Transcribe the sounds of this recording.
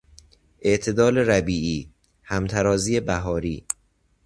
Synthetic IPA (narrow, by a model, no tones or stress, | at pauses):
ʔe̞ʔt̪ʰe̞d̪ɒːleɾæbiːʔiː | hæmt̪ʰæɾɒːziːebæɦɒːɾiː